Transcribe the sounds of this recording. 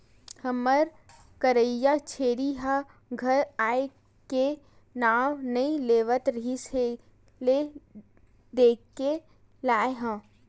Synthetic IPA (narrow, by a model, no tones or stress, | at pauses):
həməɾ | kəɾəjat͡ʃʰeːɾiɦa | ɡʱəɾaːe | ke | naːwnɐĩleːʋət̪ɾɐɦise | le | d̪eːkːe | laːeɦə̃ː